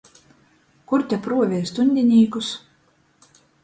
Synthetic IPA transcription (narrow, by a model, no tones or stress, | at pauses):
kuɾt̪ʲɛpɾuɔvʲɛjst̪unʲd̪ʲinʲiːkus